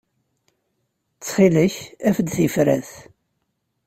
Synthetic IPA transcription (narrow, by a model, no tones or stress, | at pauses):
t͡sːχiləçæfəd̪θifɾæθ